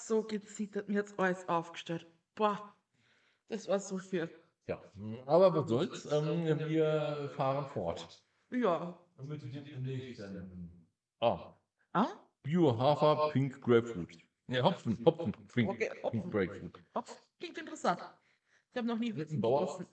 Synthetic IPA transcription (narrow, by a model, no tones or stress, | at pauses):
z̥oːɡət͡siːtɐt̚miɐatsʔɔʏsʔaʊfɡ̥ə̥ʃtɛlt | b̥ɔ | d̥asvaːɐz̥oːfyːɐ | ja̰ːʔaːbɐvasz̥ɔlt͡sʔɛːmviːɐfaːʁənfɔɐt | jaː | mɪɛd̥emne̥ːɛn | ʔaː | ʔa | b̥joɦaːfɐpʰɪŋkɡ̥ʁɛːfʁuːt | neɦɔp͡fn̩hɔfn̩pʰɪŋokeːɔɪŋkɡʁɛkfʁṵːthɔfklɪŋktɪntəʁəsant | ɪçhaːbənɔχniːhʊs̩baʊɐsn̩